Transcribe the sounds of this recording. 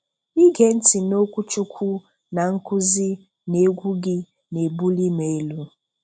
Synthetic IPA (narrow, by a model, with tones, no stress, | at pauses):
i˦ɡe˨n̩˦ti˨no˦kʷu˦t͡ʃu˦kʷʰu˦ | na˨ŋ̩˦kʊ˦zɪ˦ | ne˨˦ɡʷu˦ɡɪ˦ | ne˨bu˦li˦me˨e˦lu˦